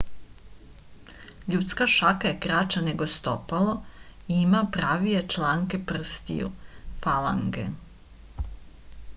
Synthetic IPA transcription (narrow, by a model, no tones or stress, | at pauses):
ʎut̪skaʃakaje̞kɾat͡ʃane̞ɡo̞st̪opaloiimapɾaːʋije̞t͡ʃlaːŋke̞pr̩st̪ḭjṵfala̰ŋɡḛ